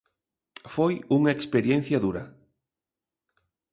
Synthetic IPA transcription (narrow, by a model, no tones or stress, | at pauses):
fojuŋɐekspeɾjen̟θjɐðuɾɐ